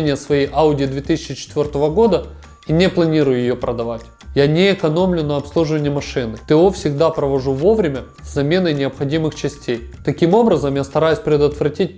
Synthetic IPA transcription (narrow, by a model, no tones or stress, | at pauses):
nʲɪjəsvɐjijʔaʊdʲɪːd̪vʲet̪ɨsʲɪt͡ɕːɪt͡ɕɪ̥t̪vʲo̞rt̪əvəɡo̞d̪ə | inʲɪplˠɐnʲiɾʊjʊjɪjopɾəd̪ɐvatʲ | janʲeːkɐno̞mlʲʊnəɐpslˠuʐɨvənʲɪjəmɐʂɨnɨt̪ɨofsʲɪɡd̪apɾəvɐʐuvo̞vɾʲɪmʲə | zɐmʲe̞nənʲɪəpxɐdʲimɨxt͡ɕɪsʲtʲejt̪ɐkʲimo̞bɾəzəmjast̪ɐɾajʉsʲpɾʲɪd̪ət̪vɾɐtʲit̚ʲ